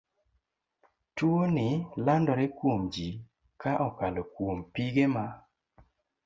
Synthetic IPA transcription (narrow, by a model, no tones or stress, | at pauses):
twonɪlandɔɾɛkwomd͡ʒi | kaʔɔkalɔkwompiɡema